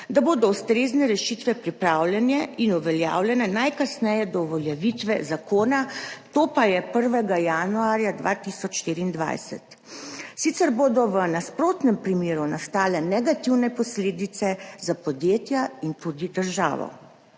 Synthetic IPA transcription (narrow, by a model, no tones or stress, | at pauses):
d̪aboːd̪ɔust̪ɾeːznɛɾɛʃit̪ʋɛpɾipɾawlʲjɛnjɛinuʋɛlja̰ːwlʲjɛnɛnajkasnɛjɛd̪ɔʋɔljɛʋit̪ʋɛzakoːnat̪oːpajɛpəɾʋɛɡajanuaːɾjad̪ʋa̰t̪isɔt͡ʃʃt̪iːɾiːnd̪ʋa̰jsɛ̰t̪ | sit̪sɛɾboːd̪ɔʋənaspɾoːt̪nɛmpɾimeːɾunast̪aːlɛnɛɡat̪iwnɛpɔsleːd̪it̪sɛzapɔd̪jeːt̪jaint̪ud̪id̪əɾʒa̰ːʋɔ̰